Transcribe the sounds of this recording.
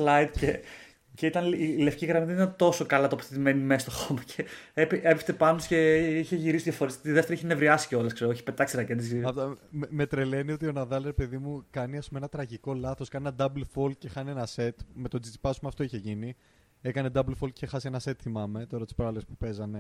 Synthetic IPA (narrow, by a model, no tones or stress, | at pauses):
lɐjd̪ce | ceit̪ɐnilefciɣɾɐmiðnit̪ɐnt̪o̞so̞kɐlɐt̪opoθet̪imenimest̪oxomɐceepeepekst̪epɐnosce̞içeʝiɾisiðjɐfoɾist̪iðeft̪eɾiçenevɾiɐsi̥ceo̞lɐskse̞ɾoçi̥pe̞t̪ɐksiɾɐkend̪izɐt̪mme̞t̪ɾe̞le̞nio̞t̪̬io̞nɐðɐlɾepe̞ðimukɐniɐspumeenɐt̪ɾɐʝiko̞lɐθo̞skɐnenɐd̪ɐblfolcexɐneenɐse̞t̪me̞t̪od͡zit̪ipɐsmɐft̪o̞içeʝini | ekɐne̞d̪ɐblfolcexɐsenɐse̞t̪θimɐme̞t̪o̞ɾɐt̪ispɾɐlespu̥pe̞zɐne̞